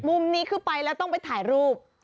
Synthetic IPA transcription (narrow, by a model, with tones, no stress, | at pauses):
mu˧mniː˦˥kʰɯː˥˩pa˧jlɛː˦˥wt̪ɔ˥˩ŋpa˧jt̪ʰaː˩˦jɾuː˥˩p̚